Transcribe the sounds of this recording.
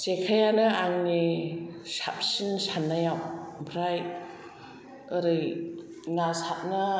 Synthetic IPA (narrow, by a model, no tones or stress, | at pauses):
sekʰajanɐaŋni | sa̰p̚sinsanːajawbʰʱɾaj | ɯɾɯj | ŋasat̚nɐ